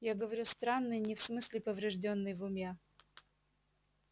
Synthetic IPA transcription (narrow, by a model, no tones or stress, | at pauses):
jaɡəvɐɾʲust̪ɾanːɨjnʲɪfsmɨsʲlʲɪpəvɾʲɪʐdʲonːɨjvʊmʲe